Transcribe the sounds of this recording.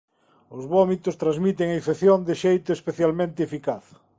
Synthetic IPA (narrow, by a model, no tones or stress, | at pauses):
ʊzβɔmit̪ʊst̪ɾãzmit̪eŋaifeθjond̪ɪʃejt̪ʊespeθjalmẽnt̪ɪefikaθ